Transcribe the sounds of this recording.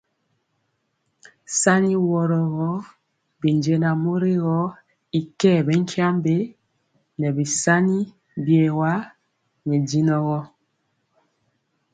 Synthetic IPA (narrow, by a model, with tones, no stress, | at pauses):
sa˦ni˦wɔ˦ɾɔ˨ɣɔ˦ | bi˨nd͡ʒe˦na˨mo˦ɾe˦ɣɔ˦ | i˨kɛ˦˨bɛ˦ŋ˦kʰja˦mbe˦ | nɛ˨bi˨sa˦ni˦ | bjɛ˨wa˦ | nɛ˨di˦nɔ˦ɣɔ˦